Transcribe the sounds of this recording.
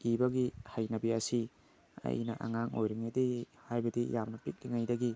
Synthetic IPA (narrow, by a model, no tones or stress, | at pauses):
ibɐɡihajnɐbiɐsi | ɐ̰jnɐʔa̰ŋaŋo̰jɾiŋadi | hajbɐdijamnɐpik̚liŋajdɐɡi